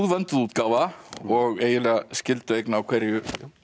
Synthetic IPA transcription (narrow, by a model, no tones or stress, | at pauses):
ðvœnt̪ʏðuːt̪kaːvaɔɣeːjɪlɛːɣascɪlt̪ʏejknaːwkʰv̥ɛɾjʏ